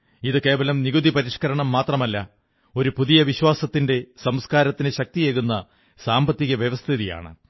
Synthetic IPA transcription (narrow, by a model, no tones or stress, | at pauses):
iðɨke̞ːʋɐlɐmniɣud̪ipɐɾiʂkɐɾɐɳɐmːaːt̪rɐmɐlːɐ | o̞ɾupuðijɐʋiɕwaːsɐt̪ːinde̞sɐmskaːɾɐt̪ːinɨɕɐk̚t̪ijeːɣunːɐ | saːmbɐt̪ːiɣɐʋjɐʋɐst̪ʰiðija̰ːɳɨ̰